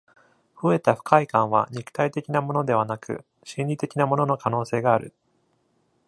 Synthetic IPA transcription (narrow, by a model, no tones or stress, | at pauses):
ɸɯ̟e̞t̪aɸɯ̥kʰaikãɰ̃β̞a̰ɲ̟ikɯ̥t̪ait̪e̞kʲinamo̞no̞d̪e̞β̞anakɯ̟̰ | ɕĩnʲɾʲit̪e̞kʲinamo̞no̞no̞kano̞ːse̞ːɡaːɾɯ̟̰